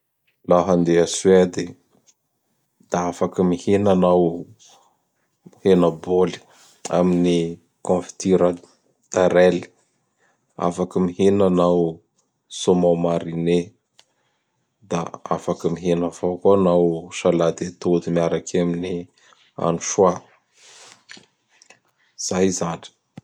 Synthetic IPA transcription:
laɦand̪easued̪i | d̪̥aafakəmihenanaw | henaboli̥ | a̰mini | kõfi̥t̪iɾə | t̪aɾeli̥ | a̰fakəmiɦenanaw | somawmaɾine | d̪a̰a̰fakəmiɦenəvokoanawʃalad̪et̪od̪imiaɾakʰamini | a̰nuʃwa | z̥ajzani̥

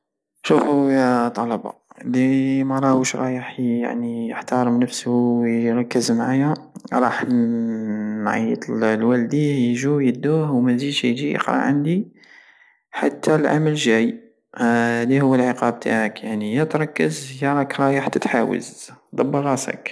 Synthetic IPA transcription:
ʃufujæt̪ˤːɑlɑbɑ̰limæɾˤɑhuʃɾˤɑjəħja̰ʕnijəħt̪ɑɾˤmnəfshuɾˤɑkːəzmʕajæ | ɾˤɑħ | mʕə̰jːət̪lwæld̪ijhjʒujəd̪ːuhwmæzid̪ʃʒijə̰qɾɑ̰ʕə̰nd̪i | ħa̰t̪ʰːælʕa̰məlʒæj | d̪ihʊwːəlʕəqɑb̚t̪ʰa̰ʕəkjaʕnijət̪ɾˤɑkːəzjæɾˤɑkɾˤɑjəħt̪ːæt̪ħawə̰zd̪ˤɑbːəɾˤɑsə̰k

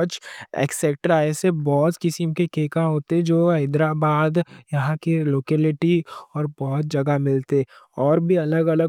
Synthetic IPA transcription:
t͡ʃḛːkseːk̚ʈəɾaːesebɔːt̪kɪsimkekeːkãɦoːt̪eɦd͡ʒoːɐɪd̪ɾabaːd̪jɐɦãkeloːkeːlɪʈiɔːɾbɔːt̪̚d͡ʒɐɡamɪlt̪eɔːɾbʱiɐləɡɐləɡ

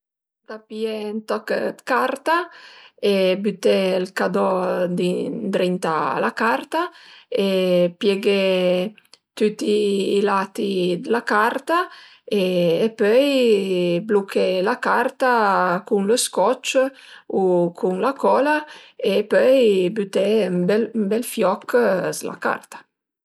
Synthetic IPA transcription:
d̪̥apjɛnt̪ɔkd̪kaɾt̪a | ebyt̪ɛlkad̪ɔd̪id̪ɾint̪a̰lakaɾt̪aepjɛɡɛ | t̪yt̪ːiːlat̪id̪lakaɾt̪a | eːpœj | blukʰɛlakaɾt̪akuŋləskɔt͡ʃ | ukʰuŋlakɔlaepœjbyt̪ɛmbɛlmbɛlfjɔkʰːsla̰ka̰rt̪ḁ

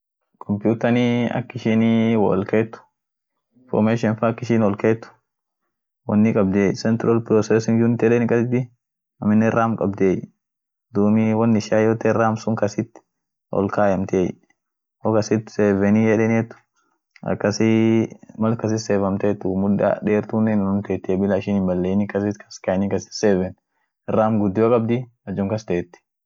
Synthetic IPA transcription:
kʰɔmpjuːt̪ɐniɐ̰kːɪʃɪnwɐlkeːt̪ːʊ̥ | fɔ̰ɾmeːʃɔnfɐkːɪʃɪnɔlkeːt̪ːʊ̥ | wɐ̰nːɪkʼɐb̚d̪ɪeːjsɛnt̪ɪɾɐlpɾɔsɛsɪŋɡd͡ʒunɪt̪ːɛlɛnkʼɐsɪd̪ɪ | ɐmɪnːɛɛrːaːmkʼɐbd̪eːj | d̪uːmiwɐnːɪʃaːjot̪ɛrːaːmsʊŋkɐsɪt̪ː | ɔ̰lkaːjɐmt̪ej | hokɐsɪt̪ːseːvɛnijɛᶑɛnɛt̪ːʊ̥ | ɐ̰kːɐsɪ | mɐlkɐs̬ɪseːfɐmt̪et̪ːʊmʊᶑɐ̰ᶑeːɾt̪unːɛnnʊmt̪eːt̪ːɪɛbɪlaɪʃɪnɪmbɐlːeːnɪkɐsɪtkʰɐ̥skɐnikɐsɪ̥seːvɛn | ɪrːaːmɡʊd̪ːɪjokʼɐbd̪ɪ | ɐd͡ʒʊŋkɐst̪eɛt̪ːɪ̥

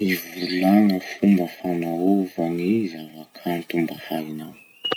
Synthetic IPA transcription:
ivulaŋəfumbəfanauvaŋizavakʰant̪umbahainaw

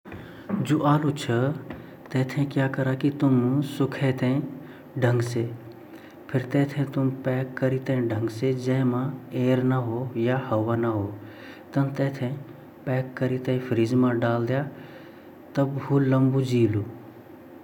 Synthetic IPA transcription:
d͡ʒoːʔaːlut͡ʃʰə | t̪eːt̪ʰẽkjaːkɐɾakit̪ʊmsʊkʰet̪ʰẽ | ɖʱə̃ŋɡse | pʰɪɾt̪ɛːt̪ʰẽt̪ʊmpɛːkːɐɾit̪ẽɖʱə̃ŋɡsed͡ʒə̃ɦmãeːɾnəɦojahɐʋanaɦoː | t̪ɐnt̪ɛːt̪ʰẽ | pɛːkːəɾit̪ə̃ĩpʰɾiːzmãɖaːld̪ja | t̪ɐbɦuːlə̃mbud͡ʒiːluː

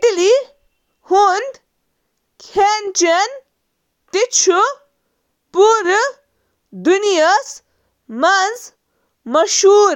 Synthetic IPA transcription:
t̪ili | hund̪ | kʰent͡ʃen | t̪it͡ʃʰu | puɾ | d̪unijəs | manz | mɐʃuːɾ

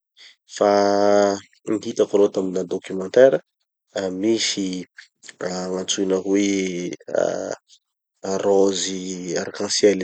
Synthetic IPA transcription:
fa | ŋɦit̪akɾot̪aminad̪okymɑ̃nt̪ɛɾə | misi | amant͡sunakwḛ | roziaɾkɑ̃sjɛl

